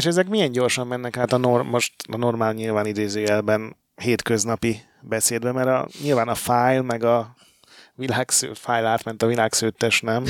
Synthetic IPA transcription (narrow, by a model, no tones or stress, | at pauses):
eʃɛzɛkmijɛɲɟo̞rʃɒmːɛnːɛkaːt̪ɒnormo̞ʃt̪ɒ̰no̞rmaːlɲilvaːnid̪eːzøːɛlbɛn | heːt̪kø̞znɒpi | bɛseːd̪bɛmɛɾɒ̰ɲilvaːnɒfaːjlmɛɡɒ | vilaːksø̰ːfaːjlaːt̪mɛnt̪ɒvilaːksøːt̪ːɛʃnɛm